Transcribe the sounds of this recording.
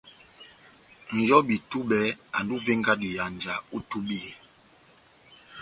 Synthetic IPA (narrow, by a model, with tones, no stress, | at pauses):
n̩˨jɔ˦bi˨tu˦ɓɛ˨˦a̰˨n˨du˦ve˦ŋɡa˦di˨ja˨n˨d͡ʒa˨u˦tu˦bi˦ɛ˨